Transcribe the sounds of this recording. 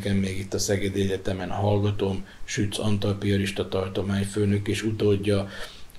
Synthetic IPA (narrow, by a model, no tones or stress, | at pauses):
kɛmːeːɡit̪ːɒsɛɡɛd̪iɛɟɛt̪ɛmɛnhɒlɡɒt̪o̞mʃyt̪sɒnt̪ɒlpioɾiʃt̪ɒt̪ɒrt̪o̞maːɲføːnø̞keːʃut̪oɟːɒ